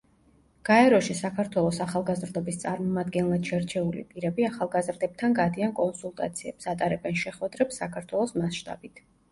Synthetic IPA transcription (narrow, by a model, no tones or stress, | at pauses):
ɡ̥aɛɾɔʃisakʰaɾt̪ʰwɛlˠɔsaχalˠɡazɾd̪ɔbist̪sʼaɾmɔmad̪ɡɛnlˠad̪̥ʃɛɾt͡ʃʰɛulḭpʼiɾɛbiaχalˠɡazɾd̪ɛb̚t̪ʰanɡad̪iankʼɔnsulˠt̪ʼa̰t̪sʰiɛbsat̪ʼaɾɛbɛnʃɛχwɛd̪ɾɛpsakʰaɾt̪ʰwɛlˠɔsmasʃt̪ʼa̰bit̪ʰ